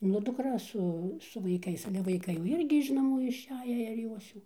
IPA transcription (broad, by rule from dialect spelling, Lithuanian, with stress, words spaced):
nʊ dʊkˈrɐ ˈsʊ sʊ ʋɐɪˈkɐɪs ˈɑːlʲɛ ʋɐɪˈkɐɪ jɛʊ ˈɪrʲɡʲɪ ɪʃ nɐˈmuː ɪʃʲˈæːjæː ɪr ˈjoːs jɛʊ